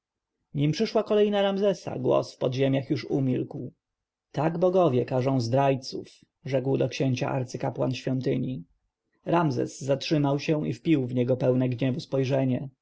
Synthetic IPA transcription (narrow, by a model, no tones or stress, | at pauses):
ɲimpʂɘʂwakɔlɛjnaɾamzɛsa̰ɡwɔ̰sfpɔd̪ʑemʲjaxjuʂumʲilkw | t̪aɡbɔɡɔvʲjɛkaʐɔ̃w̃zd̪ɾajt̪suf | ʐɛkwd̪ɔkɕeɲt͡ɕa̰ʔa̰ɾt̪sɘkapwa̰nɕfʲjɔnt̪ɘɲi | ɾamzɛ̰zːatʂɘmawɕɛ̃ifpʲiwvɲɛɡɔpɛwnɛɡɲɛvuspɔjʐɛɲɛ